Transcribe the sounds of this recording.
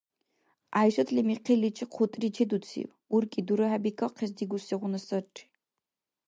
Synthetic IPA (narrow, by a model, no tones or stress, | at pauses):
aːjʃɐt̪ʰlimiqʰilit͡ʃʼiqʰʊtʼrit͡ʃʰed̪ut͡sʰḭw | urkʼid̪uɾɨɦabikʰɐqʰɛs̬d̪iɡuseʁʷʊnɐsɐʈ͡ʂʼː